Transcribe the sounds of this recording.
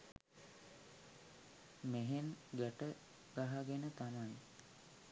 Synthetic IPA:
meɦenɡəʈə | ɡ̥aɦaɡenət̪amaj

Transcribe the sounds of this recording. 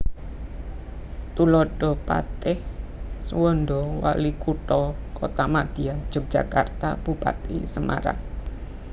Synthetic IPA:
t̪ulɔɖ̥ɔpa̰t̪ɪhswɔndɔwa̰likuʈɔkot̪amad̪̥iad̥ʒ̥ɔ̤k̚ʒ̥a̤ka̰rt̪ab̥upa̰t̪ḭsəmʔa̰ɾa̰ŋ

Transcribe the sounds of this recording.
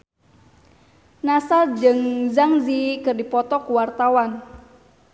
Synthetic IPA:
nasad͡ʒəŋzaŋzikɨrdipɔt̪ɔkuwart̪awan

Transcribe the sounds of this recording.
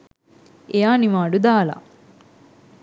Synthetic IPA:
ejaːniʋaːɖud̪aːla̰

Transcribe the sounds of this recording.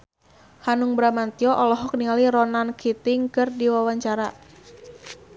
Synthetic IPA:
hanuŋbɾamant̪iɔʔɔlɔɦɔk̚nialiɾɔnankʰit̪ɪŋkɨrdiwawaɲt͡ʃaɾa

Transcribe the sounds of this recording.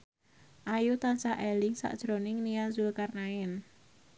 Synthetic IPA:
ʔajut̪ansaʔelɪŋsa̰ʔd̥ʒ̥ɾonɪŋnianzulkarnaɪn

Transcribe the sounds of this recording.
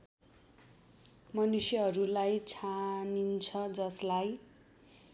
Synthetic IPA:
mʌnusjʌɦʌɾulajt͡sʰanint͡sʰʌd͡zʌslaj

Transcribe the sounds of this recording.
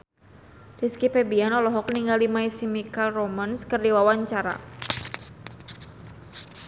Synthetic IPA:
diskipɛbianɔlɔɦɔkəniŋɡalimaisimikalromənskərdiwawaɲt͡ʃaɾa̰

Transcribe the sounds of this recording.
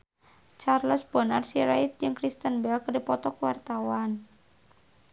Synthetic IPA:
t͡ʃarlɔsb̥ɔ̤narsiɾait̪̚jɨŋkɾist̪ənbɛlkərdipɔt̪ɔkuwart̪awan

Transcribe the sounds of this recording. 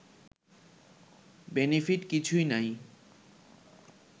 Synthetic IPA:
benepʰiʈkit͡ɕʰujnaj

